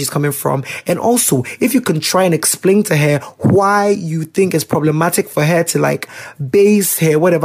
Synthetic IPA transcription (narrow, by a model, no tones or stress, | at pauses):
iz̥kʰʌ̃mɪ̃ŋfɹʌ̰̃mɨ̃nʔɔ̰lˠsoʊɨfjɨkʰɨ̃ntʰɹ̥aɪɨ̃nɛksplẽɪ̃ntʰɨɦə˞waɪjɨθɪ̃ŋkɨtspʰɹ̥ɑbləmæɾɨkfə˞ɦə˞tʰɨla̰ɪkbeɪshə˞wʌɾɛv